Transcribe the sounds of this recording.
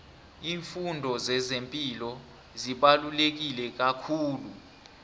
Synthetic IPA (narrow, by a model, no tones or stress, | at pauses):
iːɱfundʱɔzɛzempʼilɔ | ziɓalulek̬ilɛk̬akʰuːlu